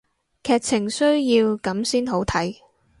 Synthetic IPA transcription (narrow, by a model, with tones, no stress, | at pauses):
kʰɛː˧k̚t͡sʰɪ˨˩ŋsɵ˥ɥjiː˧wkɐ˨˥msiː˥nɦo˨˥wt̪ʰɐ˨˥j